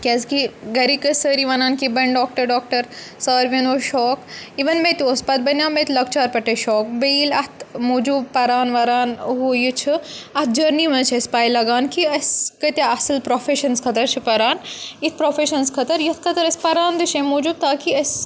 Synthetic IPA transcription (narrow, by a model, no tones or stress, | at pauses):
kʲɐzkiɡɐɾikɐsəɾiʋɐnaːnkibɐɳɖɔːk̚ʈɐɾɖɔːk̚ʈɐɾsaːɾʋenoːʃɔːkiʋɐnmeːt̪iospɐt̪̚bɐnaːmet̪lɐk̚t͡ʃaːɾpɐʈeʃɔːk̚beːlɐt̪ʰmuːd͡ʒuːb̚pɐɾaːnʋɐɾaːnɦuːjut͡ʃʰiɐt̪̚ʰd͡ʒɐɾniʋɐnt͡ʃʰɐspaːjlːɐɡaːnkiɐskɐt̪ʲaɐsɐlpɾoːfeːʃɐnskʰɐt̪ɐɾt͡ʃʰipɐɾaːnit̪̚ʰpɾoːfeːʃɐnskʰɐt̪ɐɾjɐt̪ʰkʰɐt̪ɐɾɐspɐɾaːnd̪ɨʃẽmoːd͡ʒuːb̚t̪aːkiɐs